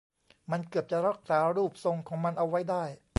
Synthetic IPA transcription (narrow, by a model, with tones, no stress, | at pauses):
ma˧nkɯ˨˩əp̚t͡ɕa˨˩ɾa˦˥˩k̚saː˨˦ɾuː˥˩p̚so˧ŋkʰɔː˩˦ŋma˧nʔa˧wa˦˥jdaː˥˩j